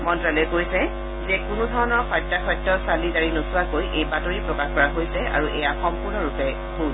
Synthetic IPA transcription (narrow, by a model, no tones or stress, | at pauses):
mɔntɹalɛkojsɛ | zɛkʊnudʱɔɹɔnɔɹkʰɔjtːaxʰɔjtːɔsalidaɹinosʊakojʔejbatoɹipɹɔkaxkɔɹaɦojsɛa̰ɹuʔejaxɔmpʊɹnɔɹupɛ | bul